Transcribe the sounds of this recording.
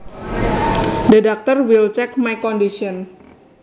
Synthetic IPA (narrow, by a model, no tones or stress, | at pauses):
dedak̚t̪ɔrwilt͡ʃɛkmajkɔndiʃɔn